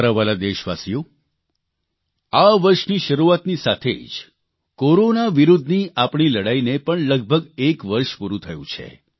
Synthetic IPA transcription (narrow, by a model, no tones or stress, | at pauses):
ɾəʋalad̪eʃʋa̰sijo | aʋəɾʃniʃəɾuat̪nisat̪ʰḛd͡ʒ | koɾonaʋiɾud̪ʱniʔapɳ̃iləɽainepəɳləɡ̚bʱəɡekʋəɾʃpuɾũt̪ʰəjṵ̃t͡ʃʰḛ